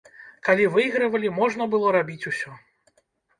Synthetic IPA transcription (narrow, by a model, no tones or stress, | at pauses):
kalʲivɨjɣɾɐvɐlʲimɔʐn̪ɐbɨlˠɔɾabʲit͡sʲusʲɔ